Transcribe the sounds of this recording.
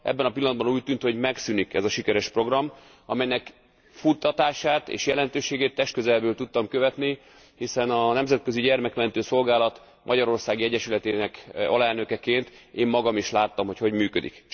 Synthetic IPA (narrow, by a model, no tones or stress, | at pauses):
ʔɛ̰bːɛnɒpilːɒnd̪bɒnuːc̚t̪ːynt̪ho̞ɟmɛksynikɛ̰zɒʃikɛɾɛʃpro̞ɡrɒm | ɒmɛjnɛk | fut̪ːɒt̪aːʃaːt̪ḛːʃjɛlɛnt̪øːʃeːɡeːt̪ːɛʃt̪̚køzɛlbøːlt̪ut̪ːɒmkøvɛt̪ni | hisɛnɒnɛmzɛt̪̚kø̞ziɟɛrmɛkmɛnt̪øːso̞lɡaːlɒt̪ | mʔɒɟɒɾo̞rsaːɡiɛɟːɛʃylɛt̪eːnɛkɒ̰lɛlnø̞kɛkeːnt̪eːmːɒɡɒmiʃlaːt̪ːɒmho̞cho̞ɟmyːkød̪ḭk